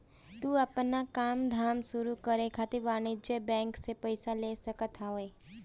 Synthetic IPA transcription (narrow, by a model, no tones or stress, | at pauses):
t̪uːɐpnakaːmd̪ʱaːmsʊɾukəɾekʰat̪ɪɾʋaːñid͡ʒəbɛ̃ːŋksepəɪsaleːsəkət̪aoeː